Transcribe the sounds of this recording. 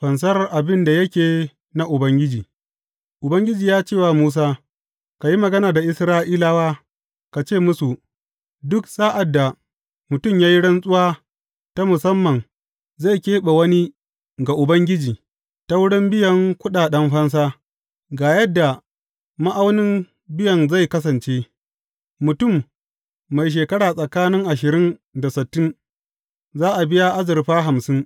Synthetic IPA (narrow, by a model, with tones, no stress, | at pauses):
ɸɐ˨ns̬ɐ˦rʔa˨bɪ˦nda˨jɐ˦kʲeː˨ | na˦ʔʊ˨bɐ˦ŋɡʲɪ˦d͡ʒiː˨ | ʔʊ˨bɐ˦ŋɡʲɪ˦d͡ʒiː˨jaː˦t͡ʃeː˦˨waː˨muː˦s̬aː˦ | ka˨ji˦mɐ˨ɡɐ˦naː˨da˨ʔɪ˦sɾaː˦ʔiː˦laː˦waː˦ | ka˨t͡ʃeː˦˨mʊ˦su˨ | dʊ˦ksʼaː˦ʔa˨dːa˨ | mʊ˨tʊ˦˨mjaː˦ji˦ɽɐ˦nsʼʊ˦waː˦ | ta˦mʊ˨sɐ˦mːɐ˨ŋ | za˦˨jkʲeː˦ɓa˨wɐ˦ni˦ | ɡa˨ʔʊ˨bɐ˦ŋɡʲɪ˦d͡ʒiː˨ | ta˦wʊ˦ɽɪ˦mbɪ˦jɐ˦ŋkʷʊ˦ɗaː˨ɗɐ˦mɸɐ˦ns̬aː˦ | ɡaː˨jɐ˦dːa˨ | ma˦ʔa˦wnɪ˦m | bɪ˦jɐ˨nza˦˨jkɐ˦s̬ɐ˨nt͡ʃeː˦ | mʊ˨tʊ˦˨mː | a˨jʃ̬eː˨kɐ˦ɽaː˨sʼɐ˨kaː˦nɪ˦ŋʔa˨ʃɪ˨ɾɪ˦nda˨sɪ˨tːɪ˦n | zaː˦ʔa˨bɪ˦ja˦ʔa˦zɪ˨ɾɸaː˦ɦa˨msɪ˦n